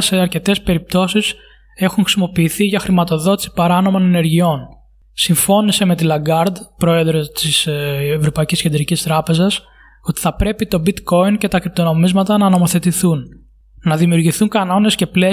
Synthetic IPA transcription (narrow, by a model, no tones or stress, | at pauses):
se̞ɐɾce̞t̪e̞spe̞ɾip̚t̪o̞sis | e̞xunŋxɾi̥simo̞piːθiʝɐxɾimɐt̪o̞ðo̞t̪i̥si̥pɐɾɐno̞mo̞nene̞ɾʝio̞n | siɱfo̞nise̞me̞t̪ilɐɡɐɾd̪pɾo̞e̞ðɾo̞t̪isevɾo̞pɐicisced̪ɾicist̪ɾɐpe̞zɐs | o̞t̪i̥θɐpɾe̞pit̪o̞bit̪ko̞ince̞t̪ɐkɾip̚t̪o̞no̞mizmɐt̪ɐnɐno̞mo̞θe̞t̪iθunː | ɐðimiuɾʝiθuŋkɐno̞ne̞sce̞ple